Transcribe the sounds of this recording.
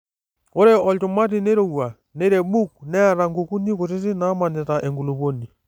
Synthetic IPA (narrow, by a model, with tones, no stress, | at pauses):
o˦ɾɛ˦ɔ˨ltu˨ma˦t̬i˨ne˦ɾo˨wa˨ | nɛ˦ɾɛ˨ɓu˦k̚nɛ˦a˦˨ɾa˨ŋɡu˨ku˦ni˦ko˨t̬ɪ˦ti˦na˦ma˨nɛ˨ta˨ʔɛ˨ŋɡu˨lu˨po˦ni˨